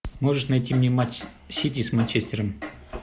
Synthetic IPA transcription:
moʐɨʂnɐjtʲimnʲematʲ | sʲitʲismɐnʲt͡ɕesʲtʲɪɾəm

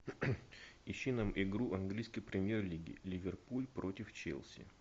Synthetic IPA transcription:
ɪɕːinamʔɪɡɾuʔɐnɡlʲijskəjpɾʲɪmʲjerlʲiɡʲɪ̰lʲɪvʲɪrpulʲpɾo̞tʲɪft͡ɕḛlʲˠsʲɪ̰

